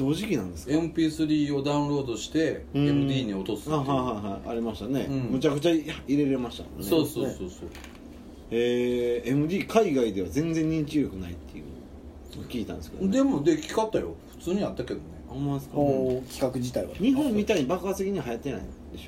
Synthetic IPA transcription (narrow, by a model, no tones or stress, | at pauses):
do̞ːʑikʲinãnd̪e̞sɨ̥kemɯ̟pʲiːsɨɾʲiːo̞d̪aɯ̃ɾo̞ːd̪o̞ɕi̥t̪e̞ɯ̃eɯd̪ʲiːɲ̟io̞t̪o̞sɨ̥aːɦaɦaiɦaia̰ɾʲimaɕi̥t̪ane̞ɯ̃mɯ̟t͡ɕakɯ̟̥t͡ɕahaiɾe̞ɾe̞maɕi̥t̪a̰mo̰eso̞ːsosoːso̰ː | eemɯ̟d̪ʲiːkʰaiɡaid̪e̞βazẽ̞nd͡zẽ̞ɲ̟ːĩɲt͡ɕiɾokɯ̟nait̪ːejɯ̟̰ | nokʲiːt̪ã̰nesked̰d̪e̞mo̞d̪e̞kʲi̥kat̪ːajo̰ɸɯ̟̥t͡sɨːɲ̟iat̪ːake̞d̪o̞ne̞amaskkʲi̥kakɯ̟d͡ʑit̪aiβa̰ɲ̟iɦõmːʲit̪aiɲibakasekʲiɲ̟iaɦajat̪ːe̞na̰ḭd̪e̞ɕo